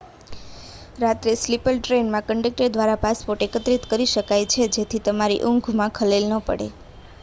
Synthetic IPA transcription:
ɾat̪ɾeslipəlʈɾenmãkəɳɖek̚ʈəɖd̪ʋaɾapaspoɾʈekət̪ɾit̪kəɾiʃəkajt͡ʃʰed͡ʒet̪ʰit̪əmaɾḭʔʊŋɡʱmãkʰəlelnəpə̰ɽḛ

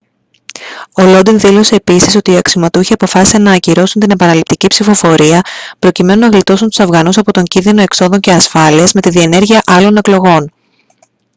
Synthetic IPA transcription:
o̞lo̞d̪inðilo̞se̞ːpisiso̞t̪iɐksimɐt̪uçiɐpo̞fɐsi̥senɐːciɾo̞sunt̪̬ine̞pɐnɐlip̚t̪icipsifo̞fo̞ɾiɐpɾo̞cime̞nunɐɣlit̪o̞sunt̪u̥sɐvɣɐnusɐpo̞t̪o̞ɲɟinðino̞e̞kso̞ðo̞ɲce̞ɐsfɐliɐzme̞t̪iðie̞ne̞ɾʝiɐʔɐlo̞ne̞klo̞ɣo̞n

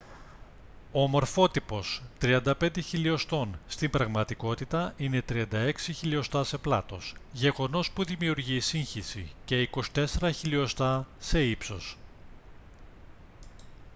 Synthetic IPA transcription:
omo̞ɾfo̞t̪ipo̞st̪ɾiɐnd̪ɐpe̞nd̪e̞çilio̞st̪o̞nst̪imbɾɐɣmɐt̪iko̞t̪it̪ɐine̞t̪ɾiɐnd̪ɐe̞ksiçilio̞st̪ɐse̞plɐ̰t̪o̞sʝe̞ɣo̞no̞spuðimiuɾʝiːsiɲçisḭce̞iko̞si̥t̪e̞se̞ɾɐçilio̞st̪ɐse̞ipso̞s

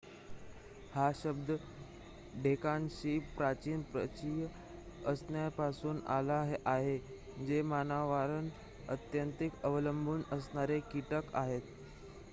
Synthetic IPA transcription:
haɕəbd̪ə | ɖʱekanɕiːpɾat͡ɕiːnpɾə̰t͡ɕij | əsnjapasuːnalaɦʔaɦe | d͡ʑemanaʋaɾən | ət̪jənt̪ikəʋələmbʱuːnəsɳaɾekiʈəkaɦet̪

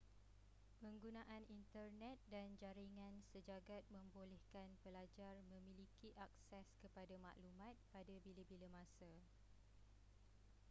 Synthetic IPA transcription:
pəŋɡunãʔanint̪ərnɛt̪̚dand͡ʒaɾiŋãnsəd͡ʒaɡat̪̚mə̃mbolɛhkanpəlad͡ʒarmə̃mĩlikiʔak̚sɛskəpadamã̰ʔlumãt̪̚padabiləbiləmãsa

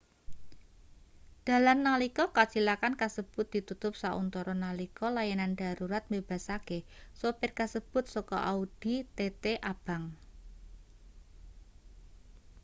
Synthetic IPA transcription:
d̥a̤lanːalikɔkat͡ʃilakankasəb̥ʊ̤t̪̚d̥i̤t̪ut̪ʊp̚saʔṵnt̪ɔɾɔnalikɔlajananɖ̥a̤ɾuɾat̪̚meb̥a̤sakesopɪrkasəb̥ʊ̤t̪̚sɔkɔ̰ʔaud̥it̪et̪eʔab̥a̤ŋ

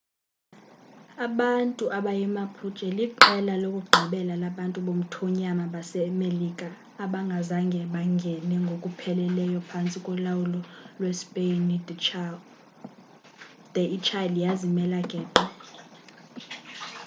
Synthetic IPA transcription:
aɓantʼuʔaɓajɛmapʰut͡ʃʼɛliǃɛlalokʼuɡ͡ǃʱiɓɛlalaɓantʼuɓom̩tʰɔɲamaɓasɛmelikʼaː | ɓaŋɡʱazaŋɡʱɛɓaŋɡʱɛnɛŋɡʱokʼupʰɛlɛlɛjɔpʰant͡sʼikʼwɔlawulɔlwɛspʼend | d̥ʱɛit͡ʃʰʼalijazimɛlaɡʱʼɛːǃɔ

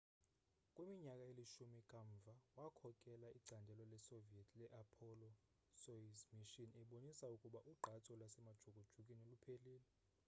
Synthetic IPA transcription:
kʼwemiɲakʼaeliʃumikʼaɱvʱawakʰɔkʼɛlaiǀandʱɛlɔlɛsoviɛtʰlɛʔapʰɔlɔ | soizmiʃinɛɓonisaukʼuɓaʔuɡ͡ǃʱatʰʼɔlwasɛmad̥ʒ̥ʱoɡ̥̬ʼʱud̥ʒ̥ʱukʼinolupʰeliːlɛ

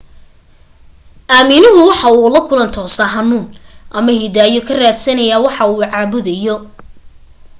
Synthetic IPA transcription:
ʔaːmɪnʊɦʊwɑħɑuːlɐkʰʊlɐnt̪ʰɔːsɐɦɐnuːnʔɐmɐhid̪aːjɔkʰɐraːd̪sɐnɐjaːwɑħɑuːʕɑːβʊðɐjɔ

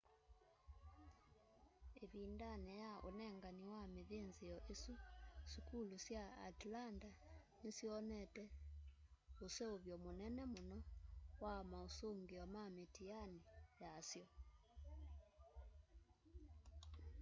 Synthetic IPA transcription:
eβindanɛjaʔonɛŋɡaniwameðeːnzijɔʔesusikulusja̰ːtlanda | nesiɔnɛtɛ | oseoβjɔmonɛnɛmonɔwamaosoŋɡiɔmametijanijasjɔ

